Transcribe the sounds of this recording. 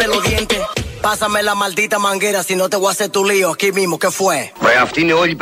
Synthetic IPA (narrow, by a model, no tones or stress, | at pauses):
eloðjent̪epasamelamald̪it̪amaŋɡeɾasinot̪eɣoaset̪ulioakimimokefwevɾeaft̪ineoʎip